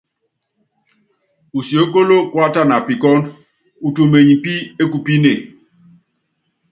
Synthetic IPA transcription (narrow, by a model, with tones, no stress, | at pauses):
u˨si˨o˦ko˦lo˦kwa˦ta˦˨na˨pi˨kɔ˦n | u˨tu˨me˨ɲi˨pi˦e˦ku˨pi˦ne˨